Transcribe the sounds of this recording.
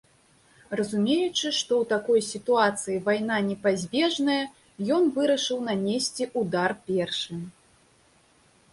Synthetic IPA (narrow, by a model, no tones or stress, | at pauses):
rɐzumʲejut͡ʂɨʂt̪ɔwt̪akɔjsʲit̪uat̪sɨjivajnanʲɛpazʲbʲɛʐnɐjɐ | jɔnvɨɾɐʂɨwnanʲesʲt͡sʲiʔud̪arpʲɛrʂɨ